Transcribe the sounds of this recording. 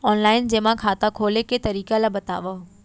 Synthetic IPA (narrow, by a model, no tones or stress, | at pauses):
ɔːnlaːɪnd͡ʑeːmãkʰaːt̪akʰoːleket̪ɐɾiːkalabɐt̪a̰ːʋə